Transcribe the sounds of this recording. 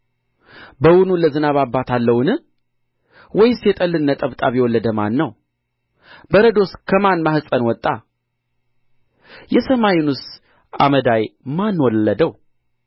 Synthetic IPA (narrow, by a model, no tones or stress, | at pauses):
bəwunuləzɨnaβabːat̪ʰalːəwnɨ | wɔjsjɛt̪ʼəlːɨnːət̪ʼəβt̪ʼaβjɛwɔlːəd̪əma̰nːəw | bəɾəd̪o̞skʰəmanmahɨsʼənwɔt̪ʼːa | jɛsəmajɪnus | ʔa̰məd̪ajmanwɔlːəd̪əw